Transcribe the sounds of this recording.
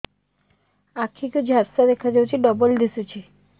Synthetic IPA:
akʰiked͡ʑʱaɾsad̪ekʰad͡ʒawt͡ʃʰiɖɔbold̪isut͡ɕʰi

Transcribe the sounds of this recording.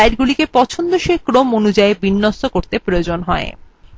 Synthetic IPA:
ajɾɡulikepɔt͡ɕʰond̪oʃekɾomonud͡ʑaebinːost̪okoɾt̪epɾojod͡ʑonɦɔe

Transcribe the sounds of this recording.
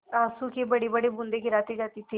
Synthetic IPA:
aːsuːkebəɽiːbəɽeːbʊ̃nd̪eːkɪɾaːt̪eːd͡ʒaːt̪iːt̪ʰiː

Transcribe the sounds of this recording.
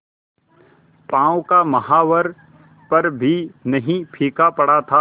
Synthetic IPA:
pãːõkamɐhaːʋəɾ | pɐɾbʱinɐɦĩpʰiːkapɐɽ̤at̪ʰaː

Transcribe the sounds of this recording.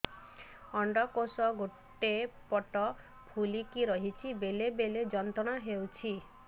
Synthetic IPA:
ɔɳɖɔkosɔɡoʈːepɔʈɔ | pʰulikiɾɔɦit͡ʃʰibelebeled͡ʒɔnt̪ɔɽ̃ɔɦewt͡ʃʰi

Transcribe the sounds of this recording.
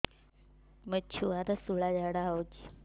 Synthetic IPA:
mət͡ɕʰuat̪asuɭad͡ʑaɽaot͡ʃi

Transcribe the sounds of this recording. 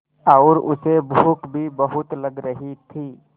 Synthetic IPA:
aːɾʊ̰sebʱuːkbʱibəɦʊt̪ləɡɾəɦit̪ʰiː

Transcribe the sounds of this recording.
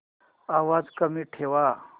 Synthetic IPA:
aʋad͡zkəmiːʈʰeʋa

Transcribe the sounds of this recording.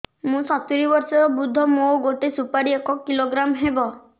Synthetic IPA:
mũsɔt̪iɾibɔɾsɔɾɔbud̪ʱːɔmoɡoʈesupaɾiekɔkːiloɡɾamɦebɔ

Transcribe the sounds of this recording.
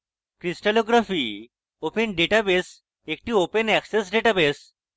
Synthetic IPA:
kɾisʈaloɡɾafiː | openɖeʈabes | ek̚ʈiːopenɛksesɖeʈabes

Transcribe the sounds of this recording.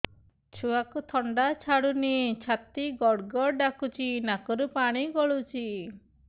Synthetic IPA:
t͡ʃʰuakut̪ʰɔɳɖat͡ʃʰaɽunit͡ʃʰat̪iɡɔɽɡɔɾɖakut͡ʃinakɔɾupaɽ̃iɡɔɭut͡ʃi

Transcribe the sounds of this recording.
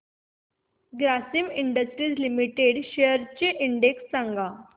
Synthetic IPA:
ɡɾasimiɳɖəsʈɾiːd͡zlimiʈeɽɕejəɾt͡ɕeʔiɳɖeksːãŋɡʱa

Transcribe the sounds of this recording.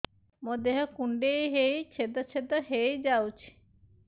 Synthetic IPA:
mod̪eɦɔkuɳɖejɦejt͡ʃʰed̪ɔt͡ʃʰed̪ɔɦejd͡ʒawt͡ʃʰi̥

